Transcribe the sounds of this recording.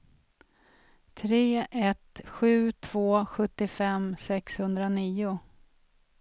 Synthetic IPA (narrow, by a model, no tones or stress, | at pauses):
t̪ʰɾeːʔɛt̪ɧʉ̟ːt̪ʰv̥oːɧɵt̪ːɪfɛmsɛkshɵnd̪ɾaniːʊ